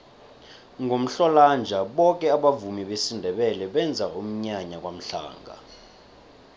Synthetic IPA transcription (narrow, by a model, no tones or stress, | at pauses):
ŋʱom̩ɬɔland͡ʒʱaɓɔk̬ʼɛaɓavumiɓesindʱɛɓɛlɛɓɛnd͡zʱaum̩ɲaɲak̬wam̩ɬa̰ːŋɡʱa̰